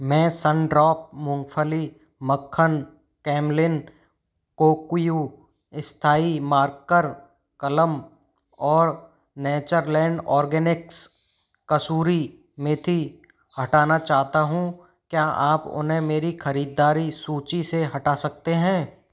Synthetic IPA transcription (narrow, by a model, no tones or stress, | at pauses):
mɛ̃ːsə̃ɳɖɾɔːp̚mʊ̃ŋɡfʰəli | məkʰːən | kɛːmlɪn | koːkju | ɪst̪ʰaːimaːɾɡ̚kəɾ | kɐləm | ɔːɾ | nɛːt͡ʃəɾlɛ̃ːɳɖɔːɾɡɛːnɪks | kɐsuːɾi | mẽt̪ʰi | hɐʈaːnat͡ʃaːɦt̪aɦũ | kjaːʔaːpʊ̰nɦẽmeːɾixɐɾiːd̪ːaːɾisuːt͡ʃiseɦɐʈaːsɐk̚t̪eɦɛ̃ː